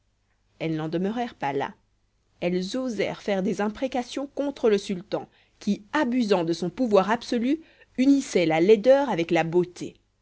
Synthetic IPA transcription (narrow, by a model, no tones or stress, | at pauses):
ɛlnɑ̃d̪əmœʁɛʁpala̰ | ɛlzozɛ̰ʁfɛʁd̪ezɛ̃pχekasjɔ̃kɔ̃t̪χələsylt̪ɑ̃ | kʲiabyzɑ̃d̪əsɔ̃puvwaʁabsɔly | ynisɛlalɛd̪œʁavɛklabot̪ʰe